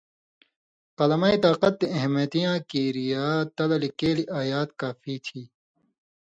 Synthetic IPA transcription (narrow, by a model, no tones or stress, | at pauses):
qɐlɐmaːit̪aːqɐt̪̚ːiʔɐɦmɐt̪ijãːkiːɾijaːt̪ɐlɐlikeːliʔaːjaːt̪kaːfiːt̪ʰiː